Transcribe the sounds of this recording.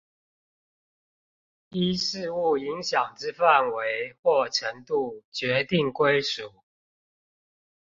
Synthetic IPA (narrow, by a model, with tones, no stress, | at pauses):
i˥ʂɻ̩˥˧u˥˩i˧˦ŋɕjɑ˨˩ŋʈ͡ʂɻ̩˥fa˥˨nwe˧˦ɪxwɔ˥˩ʈ͡ʂʰə˨˦˥ŋt̪u˥˩t͡ɕɥɛ˨˥˦t̪i˥˨ŋkwe˥ɪʂu˨˩˦